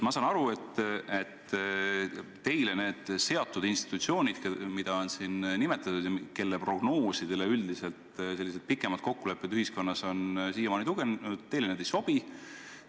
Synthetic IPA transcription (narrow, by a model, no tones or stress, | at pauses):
mɑsɑnɑɾue̞t̪ːet̪ː | e̞jlene̞ːd̪̥se̞ɑt̪ːˑud̪inst̪i̥t̪ːˑut̪sio̞ːnʲid̪̥kmid̪̥ɑonsinnime̞t̪ːˑɑt̪ːud̪̥jɑke̞lːepro̞ɡ̥no̞ːsid̪̥e̞leyld̪ise̞lt̪se̞lːis̬ed̪̥̚pikːˑemɑd̪̥̚ko̞kːule̞pːˑet̪yhisko̞nːɑso̞nsiːjɑmɑnit̪uɡ̥ent̪ːe̞jlened̪ejso̞b̥i